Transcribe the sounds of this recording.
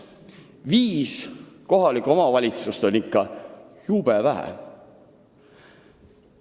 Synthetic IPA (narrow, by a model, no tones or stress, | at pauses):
viːsko̞ɦɑlikːˑo̞mɑvɑlʲit̪sust̪o̞nʲikːɑjub̥evæɦæ̰